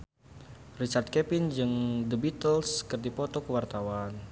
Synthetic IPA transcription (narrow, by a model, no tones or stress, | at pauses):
rit͡ʃart̪̚kɛpɪnd͡ʒɨŋdəbit̪əlskɨrdipɔt̪ɔkəwart̪awan